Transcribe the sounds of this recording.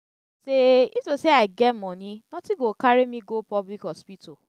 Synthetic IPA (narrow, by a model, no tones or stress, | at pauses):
seitoseaɪɡɛmɔ̃nĩnɔ̃tiɡokaɾemĩɡopɔblikhɔspito